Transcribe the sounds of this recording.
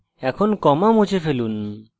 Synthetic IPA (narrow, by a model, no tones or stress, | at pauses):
ɛkʰɔnkɔmamut͡ʃʰefʰelun